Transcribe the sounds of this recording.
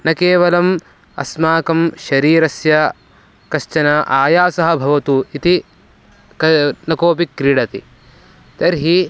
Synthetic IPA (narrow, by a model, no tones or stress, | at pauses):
nɐkeːʋɐlɐm | ɐ̰smaːkɐmʃɐɾiːɾɐsjɐ | kɐʃt͡ʃɐnɐʔaːjaːsɐɦɐ̆bʱɐʋɐt̪uit̪i | kɐnɐkoːp̬ikːɾiːɽɐt̪ḭ | t̪ɐɾɦi